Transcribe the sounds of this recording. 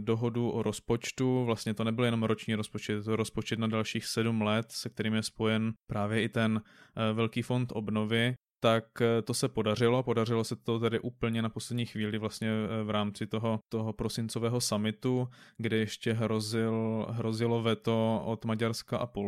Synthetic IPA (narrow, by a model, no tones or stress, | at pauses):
do̞ɦo̞duʔoɾospo̞t͡ʃt̪uvlast̪ɲɛt̪o̞nɛbɪljɛno̞mɾot͡ʃɲiːɾospot͡ʃɛt̪ːoɾospo̞t͡ʃɛt̪nadalʃiːxsɛdumlɛt̪sɛk̚t̪ɛɾiːmjɛspo̞jɛnpɾaːvjɛʔɪt̪ɛnvɛlkiːfo̞nt̪ʔo̞bno̞vɪt̪akt̪o̞sɛpo̞dar̝ɪlopo̞dar̝ɪlo̞sɛt̪o̞t̪ɛdɪʔuːpl̩ɲɛnaposlɛdɲiːxviːlɪvlast̪ɲɛvɾaːmt͡sɪt̪oɦo̞t̪oɦopɾo̞sɪnt͡sovɛːɦosamɪt̪uɡdɛjɛʃcɛɦɾozɪlɦɾozɪlo̞vɛt̪oʔot̪maɟaɾskaʔapol